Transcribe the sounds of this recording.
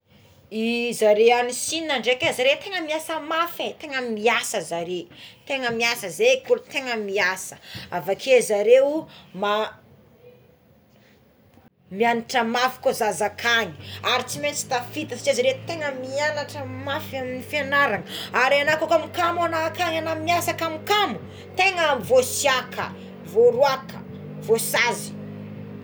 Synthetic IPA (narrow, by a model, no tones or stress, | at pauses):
izaɾeanisininaɳɖ͡ʐekezaɾet̪eŋəmiasəmafet̪eŋəmiasəzaɾet̪eŋəmiasəzekuɾt̪eŋəmiasə̥avakʰezaɾewma | mianaʈ͡ʂəmafi̥kozazakʰaŋi̥aɾit͡siment͡si̥t̪afit̪asi̥t͡ʃazəɾet̪eŋəmianaʈ͡ʂəmafaminifanaɾaŋəaɾanakokamikamanaːkaɲanamiasəkamukamu | t̪eŋaamivosiakʰə̰ | voɾuakə̰ | vosazi̥